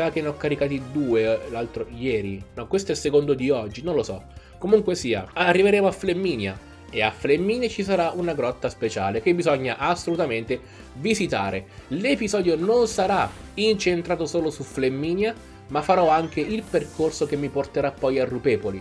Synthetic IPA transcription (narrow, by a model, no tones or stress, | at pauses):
sak̟enɔkːaɾikaːt̪id̪uːelalt̪ɾojɛːɾinɔkːwest̪oɛlsekond̪od̪iɔd͡ʒːinõnlosɔ̰komuŋkwesiːa̰arːiveɾeːmoaflemːiːnja̰ | eafːlemːiːnjat͡ʃisaɾaʔunaɡɾɔt̪ːaspet͡ʃa̰ːlek̟ebːizɔɲːaʔasːolut̪ament̪e | vizit̪a̰ːɾelepizɔːd̪jononsaɾaint͡ʃent̪ɾaːt̪osoːlosuflemːiːnja | mafːaɾɔaŋkeilperkorsokemːiport̪eɾapːɔjarːupɛːvoli